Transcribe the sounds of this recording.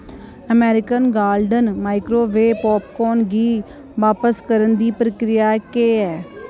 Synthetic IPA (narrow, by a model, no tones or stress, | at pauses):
əmɛːɾɪkənɡaːlɖənmaːɪkɾoːʋeːpɔːpkɔːnɡiː | ʋaːpəskəɾənd̪iːpɾəkɾɪjaːkeːɛː